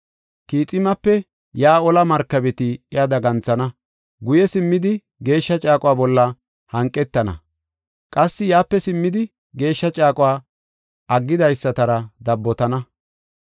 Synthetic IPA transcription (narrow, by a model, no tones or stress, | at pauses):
kiːt͡sʼɪmɐpːɛ | jaːɔlɐmɐɾkːɐbɛt̪ɪɪjɐd̪ɐɡɐnt͡sɐnɐ | ɡʊjɛsɪmːɪd̪ɪ | ɡe̞ːʃːɐt͡ʃʼaːkʼʊwaːbɔlːɐ | hɐŋkʼːɛt̪ːɐnɐ̰ | kʼɐsːɪjaːpːɛsɪmːɪd̪ɪ | ɡe̞ːʃːɐt͡ʃʼaːkʼʊwaː | ɐɡːɪd̪ɐjsːɐt̪ɐɾɐd̪ɐbːɔt̪ɐnɐ